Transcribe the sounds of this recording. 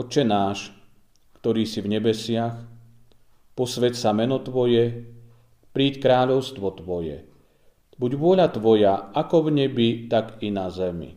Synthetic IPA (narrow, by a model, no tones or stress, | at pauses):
ɔt͡ʃɛnaːʃ | kt̪ɔɾiːsivɲɛbɛsɪax | pɔsʋɛcsamɛnɔt̪ʋɔjɛ | pɾiːckɾaːʎɔʊst̪ʋɔt̪ʋɔjɛ̰ | buɟʋʊɔʎat̪ʋɔjaakɔvɲɛbit̪aɡinazɛmḭ